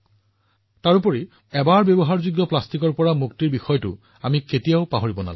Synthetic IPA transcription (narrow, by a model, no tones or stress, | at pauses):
taɹupɔɹi | ɛbaɹbjebɔɦaɹzuɡjɔplastikɔɹpɔɹamuk̚tiɹbixɔjɔtʊ̰ | amiketijaʊpaɦoɹibɔna̰l̰